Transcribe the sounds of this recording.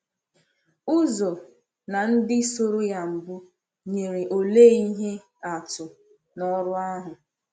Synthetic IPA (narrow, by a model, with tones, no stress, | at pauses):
ʊ˦zo˨ | na˨n̩˦dɪ˦so˦ɾo˦ja˦m̩˨bʊ˦ | ɲe˨ɾe˨ʔo˨le˦i˦ɦe˦ | a˨tʊ˨ | nɔ˦ɾʊ˦a˦ɦʊ˨